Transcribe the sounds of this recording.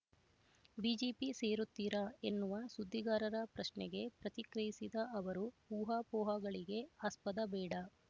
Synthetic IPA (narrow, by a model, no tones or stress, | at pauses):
biːd͡ʒeːpiseːɾut̪ːiɾɐe̞nːuʋɐsud̪ʱːiɡaːɾɐɾɐpɾɐʃnɛɡe̞pɾɐt̪ikɾɐjisid̪ɐɐʋɐɾupuːɦaːpɔːɦɐɡɐɭiɡe̞aːspɐd̪ɐbɛːɽɐ